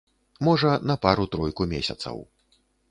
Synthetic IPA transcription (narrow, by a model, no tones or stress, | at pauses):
mɔʐɐnɐpaɾut̪ɾɔjkumʲesʲɐ̰t̪sɐ̰w